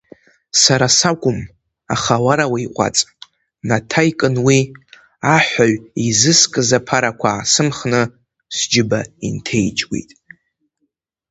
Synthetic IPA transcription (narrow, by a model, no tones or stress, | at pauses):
saɾasakʷʼʊm | aχawaɾawaiqʷʼa̰t͡sʼ | natʰajkʼɨnwi | aħʷaɥizɨskʼɨzapʰaɾakʷʰasɨmχnɨ | sd͡ʒɪbaḭntʰe̞jt͡ʃʼwḭtʼ